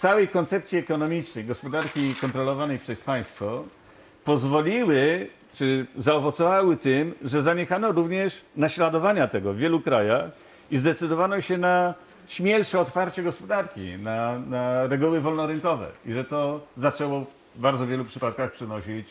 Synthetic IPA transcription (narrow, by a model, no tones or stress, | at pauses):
t̪sawɛjkɔnt̪sɛp̚t̪sʲiɛkɔnɔmʲit͡ʂnɛjɡɔspɔd̪aɾkʲikɔnt̪ɾɔlɔvanɛjpʂɛspaj̃st̪fɔ | pɔzvɔlʲiwɘ | t͡ʂɘzaɔvɔt̪sɔvawɘt̪ɘmʐɛzaɲexanɔɾuvɲɛʂnaɕlad̪ɔvaɲat̪ɛɡɔvːʲjɛlukɾajax | izd̪ɛt̪sɘd̪ɔvanɔɕɛna | ɕmʲjɛlʂɛɔt̪faɾt͡ɕɛɡɔspɔd̪aɾkʲḭnanaɾɛɡuwɘvɔlnɔɾɘnkɔvɛ̰iʐɛt̪ɔzat͡ʂɛwɔ | baɾdzɔvʲjɛlupʂɘpat̪̚kaxpʂɛnɔɕit͡ɕ